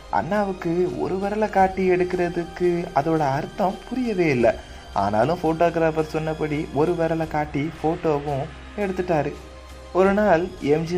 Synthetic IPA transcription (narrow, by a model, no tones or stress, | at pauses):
ʔɐ̰nːaːʋɯkːɯɔ̰ɾɯʋɐːɾɐlɐkaːʈːiɛɽɯkːɪɾɐðɯkːɯɐðoːɽɐɐɾɯt̪ːɐ̃mpʊɾɪjɐʋeːɪlːɐ | ʔa̰ːna̰ːlɯ̃foːʈoːɡɾaːfɐɾsɔnːɐpːɐɽiʔɔɾɯʋeːɾɐlɐkaːʈːifoːʈːoːʋʊ̃ | ɛɽɯt̪ːɯʈːaːɾɯ | ɔɾɯnaːlɛmd͡ʒi